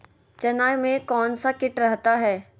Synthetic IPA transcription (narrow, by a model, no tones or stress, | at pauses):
t͡ʃɐnaːjmẽkɔːnsakɪʈɾɐɦt̪aɦɛː